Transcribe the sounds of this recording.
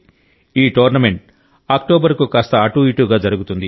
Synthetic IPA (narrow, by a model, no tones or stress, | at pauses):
iːʈoːɾnɐme̞ɳʈ̚ | aːk̚ʈoːbɐɾkukaːst̪ɐːʈuiʈuːɡaːd͡ʒɐɾuɡut̪und̪i